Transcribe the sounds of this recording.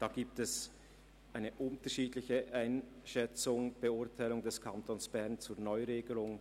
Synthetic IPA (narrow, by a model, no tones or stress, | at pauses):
d̥aːɡ̥iːp̚tɛs | ʔaɪnəʔʊntəʃiːdlɪçəʔaɪnʃɛt͡sʊŋb̥əʊɐtʰaɪlʊŋdɛskʰantʰoːnsb̥ɛʁnt͡suːɐnɔʏʁeːɡəlʊŋ